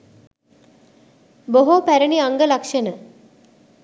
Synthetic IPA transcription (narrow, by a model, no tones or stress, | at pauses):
boɦopæɾəniaŋɡəlakʂənə